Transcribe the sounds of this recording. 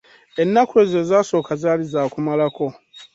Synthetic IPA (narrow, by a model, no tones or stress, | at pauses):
e̞nːakwe̞ːze̞ːzaːso̞ːkazaːlizaːkumalako̞